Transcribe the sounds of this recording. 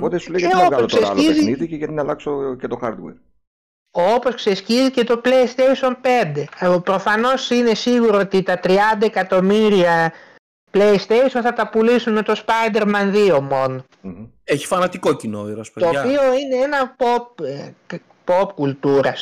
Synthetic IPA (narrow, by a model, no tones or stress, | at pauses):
opot̪esulejɐopɐoksesɐ̰lieziniðiceʝɐt̪inɐlɐksocet̪oxɐɾd̪wḛɾ | opo̞sksescizice̞t̪o̞plejst̪ejso̞npe̞nd̪e̞pɾo̞fɐno̞sine̞siɣuɾoot̪it̪ɐt̪ɾiɐnd̪ɐekɐt̪o̞miɾiɐ | plejst̪ejsio̞nθɐt̪ɐpulisunme̞t̪o̞spɐjd̪e̞ɾmɐnðio̞mo̞n | eçi̥fɐnɐt̪ikocinoiɾoɐspot̪oːpio̞ine̞enɐpop̚ | po̞pkult̪uɾɐs